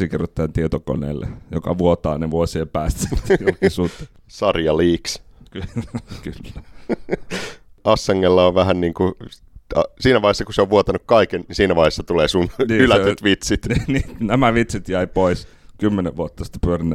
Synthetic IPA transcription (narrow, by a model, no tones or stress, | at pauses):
sikerːot̪ːæːnt̪iet̪oko̰nḛːlːḛjokɑ̰ʋuot̪ɑ̰ːneʋuosiempæːst̪æsjulkisuːt̪ːe | sɑrjɑliːks | kkylːæ | ɑsːɑŋːelːɑoʋʋæhænniːŋku | ɑsiːnæʋɑˑihesːɑkuseoʋʋuot̪ɑnukkɑikennisiːnæʋɑihesːɑt̪uleːsunniːylæyt̪ʋit̪sit̪ininæmæʋit̪sit̪jæipois | kymːeneʋʋuot̪ːɑsi̥t̪ːe̥pyørinːe